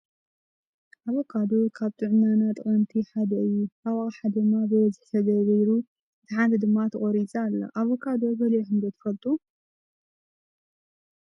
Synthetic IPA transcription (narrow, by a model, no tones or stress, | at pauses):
ʔaβokʰad̪okʰaβt̪ʼɨʕnanat̪ʼɨχʼɐnt̪ʰiħad̪ɐʔɨjːuʔawaχʼħad̪ɨmːabɨwɐzɨħt̪ʰɐɡɐɡɐjɾu | ɨt̪ʰiħand̪ʰɨd̪ɨmːat̪ʰɨkʼoɾit͡sʼalːɐ̰ʔaβokʰad̪obɐloħɨnd̪ɐt̪ʰfɐlt̪ʼu